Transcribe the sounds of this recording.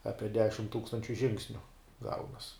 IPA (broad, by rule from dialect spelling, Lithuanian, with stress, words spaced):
ˈɑːpʲiɛ ˈdʲæːʃʲɪm ˈtuːkstɐnʲt͡ʃʲʊ ˈʒʲɪŋksʲnʲʊ ˈɡɐʊnɐs